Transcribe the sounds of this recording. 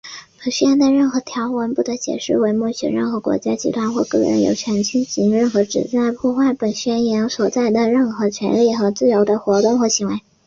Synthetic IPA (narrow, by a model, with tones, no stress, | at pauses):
pə˨˩ɕɥɛ˥˧nd̪ə˧ɻə˥˩nxɤ˧˥t̪ʰjɑ˧˥ʊwə˧˥npu˥˩d̪ə˧˥t͡ɕjɛ̰˨˩ʂɻ̩˥˩we˧˥ɪmɔ˥˩ɕɥɛ̰˧˩ɻə̰˥˩nxɤ˧˥kwɔ̰˧˥t͡ɕja˥t͡ɕʰḭ˧˥t̪ʰwa˥nxwɔ˥˧kɤ˥˩ɻə̰˧˥njo̰˨˩ʊt͡ɕʰɥɛ˧˥nt͡ɕʰi˥nɕi˧˥ŋɻə˥˩nxɤ˧˥ʈ͡ʂɻ̩˨˩t͡sa˥˩ɪpʰwɔ˥˧xwa˥˩ɪpə˨˩nɕɥɛ˥njɛ˧˥nswɔ˨˩t͡sa˥˩ɪd̪ə˩ɻə˥˩nxɤ˧˥t͡ɕʰɥɛ̰˧˥nli˥˩xɤ˧˥t͡sɹ̩˥˩jo˧˥ʊd̪ə˧xwɔ˧˥t̪wʊ˥˩ŋxwɔ˧˥ɕi˧˥ŋwe˧˥ɪ